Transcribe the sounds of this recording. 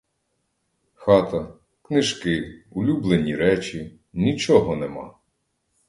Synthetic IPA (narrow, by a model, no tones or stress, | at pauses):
xɑt̪ɐ | knɪʒkɪulʲublˠenʲiɾɛt͡ʃʲi | nʲit͡ʃɔɦɔnemɑ̰